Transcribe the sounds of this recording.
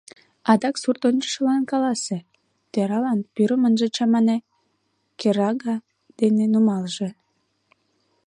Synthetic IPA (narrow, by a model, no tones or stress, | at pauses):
ɑd̪ɑksurt̪onʲt͡ɕə̥ʃəlɑnkɑlɑse | t̪eɾɑlɑnpyɾəmənʒĕt͡ɕɑmɑne | keɾɑɡɑ | d̪̥enenumɑlʒe